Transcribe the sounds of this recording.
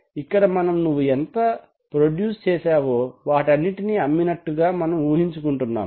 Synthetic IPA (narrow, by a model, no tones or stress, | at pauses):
ikːɐɽɐmɐnɐmnuʋːuent̪ɐ | pɾoɖjuːst͡ʃɛːsaːʋoːʋaːʈɐnːiʈiniɐmːinɐʈːuɡaːmɐnɐmuːɦiɲt͡ʃukuɳʈunːa̰ːm